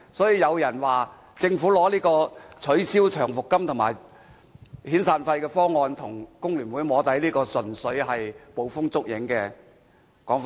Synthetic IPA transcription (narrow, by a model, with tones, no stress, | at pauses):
sɔː˨˥jiː˧jɐ˨˧wjɐ˨˩nwaː˨˩ | t͡sɪ˧ŋfuː˨˥lɔː˨˥liː˥kɔː˧t͡sʰɵ˨˥ɥsiː˥wt͡ʃʰœː˨˩ŋfʊ˨kːɐ˥mt̪ʰʊ˨˩ŋmaː˨˩j | hiː˨˥nsaː˧nfɐ˧jkɛː˧fɔː˥ŋɔː˧nt̪ʰʊ˨˩ŋkʊ˥ŋlyː˨˩nwuː˨˥jmɔː˨˧˥t̪ɐ˨˥jliː˥kɔː˧sɵ˨nsɵ˨˥ɥhɐ˨jpo˨˧wfʊ˥ŋt͡sʊ˥k̚jɪ˨˥ŋkɛː˧ | kɔː˨˥ŋfa˧